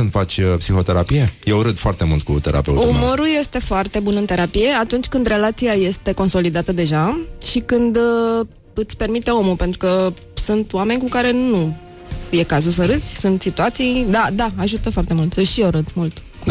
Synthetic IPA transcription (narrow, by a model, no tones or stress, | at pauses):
ɨnd̪fat͡ʃʲpsixo̞t̪e̞ɾapije̞jewɾɨd̪foart̪e̞mult̪̚kṵt̪e̞ɾʔa̰pew̰umoɾulje̞st̪e̞foart̪e̞bunɨnt̪e̞ɾapije̞at̪unt͡ʃʲkɨnd̪re̞lat̪siaje̞st̪e̞ko̞nso̞lid̪at̪əd̪e̞ʒaʃikɨnd̪ | ɨt̪sʲpe̞rmit̪e̞o̞mupe̞nt̪ɾukə | sunt̪wame̞nʲkukaɾe̞nu | je̞kazus̬əɾɨt̪sʲsunt̪sit̪uat̪sijd̪ad̪aaʒut̪əfoart̪e̞mult̪ɨʃioɾɨd̪mult̪ | k